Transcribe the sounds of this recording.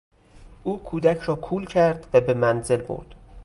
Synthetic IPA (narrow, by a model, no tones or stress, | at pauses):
ʔuːkʰuːd̪æcʰɾɒːkʰuːlcʰæɾd̪̥væbe̞mænze̞lbo̰ɾd̪̥